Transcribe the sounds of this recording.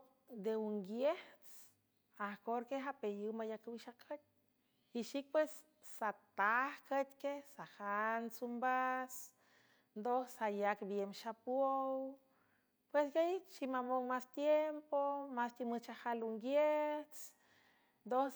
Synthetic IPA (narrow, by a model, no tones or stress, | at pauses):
d̪euŋɡjeht͡s | ahkoɾkeɦapejɨwmajakɨwʃakʰət̪̚ʲ | hiʃik̚pwesː | at̪ahkət̪ʲkehsahansumbas | nd̪osajakbjemʃapwow | pweskait͡ʃimamowmast̪jempomast̪imɨt͡ʃahaluŋɡjeht͡s | nd̪o